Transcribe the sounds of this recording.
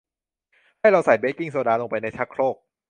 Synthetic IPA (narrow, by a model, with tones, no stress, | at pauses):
haː˥˩jɾa˧wsa˨˩jbeː˦˥ki˥˩ŋsaː˨˩˦daː˧lo˧ŋpa˧jna˧jt͡ɕʰa˦˥kʰɾoː˥˩k̚